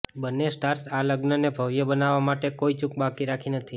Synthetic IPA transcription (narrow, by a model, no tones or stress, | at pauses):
bənːesʈaɾsaləɡnənebʱəʋjəbənaʋːamaʈekoit͡ʃʊk̚bakiɾakʰinət̪ʰi